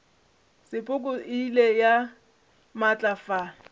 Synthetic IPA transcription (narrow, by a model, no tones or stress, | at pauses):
sɪpʼʊkʼʊʔilɛja | mat͡ɬʼafa